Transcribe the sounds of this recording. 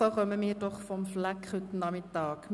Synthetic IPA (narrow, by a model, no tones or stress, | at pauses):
əʁœməmiːrdɔχfɔmflækχʉtnɑmɪt̪ɑːkm